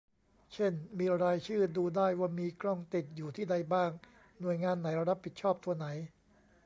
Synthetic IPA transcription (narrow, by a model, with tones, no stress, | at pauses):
t͡ɕʰe˥˩nmiː˧ɾaː˧jt͡ɕʰɯː˥˩duː˧daː˥˩jwaː˥˩miː˧kʰɾɔ˥˩ŋt̪i˨˩t̪̚juː˨˩t̪ʰiː˥˩da˧jbaː˥˩ŋ | nu˨˩əjŋaː˧nːa˩˦jɾa˦˥p̚ʰːi˨˩t̪̚t͡ɕʰɔː˥˩p̚t̪ʰu˧ɐna˩˦j